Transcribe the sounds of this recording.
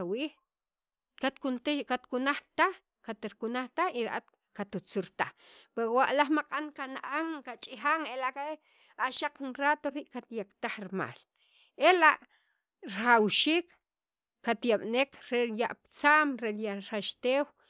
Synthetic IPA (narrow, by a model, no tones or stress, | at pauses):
awiːχ | kat̪kunt̪kat̪kunaχt̪aχ | kat̪ɾkunaχt̪axiɾaʔat̪ | kat̪ut͡suɾt̪aχpewaʔlaχmaqʼankanaʔaŋkat͡ʃʼixaŋelaʔkae | aʃaq͡χunrat̪oɾiːʔkat̪jakt̪aχɾma̰ːl | ʔelaʔ | ɾχawʃiːkː | at̪jaɓnekɾejaʔpt͡saːmɾeljaɾaʃt̪eːw